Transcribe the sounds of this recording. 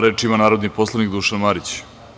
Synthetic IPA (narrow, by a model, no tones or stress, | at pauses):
ɾeːt͡ʃimanaːɾod̪niposlˠanikd̪uːʃanmaɾit͡ɕ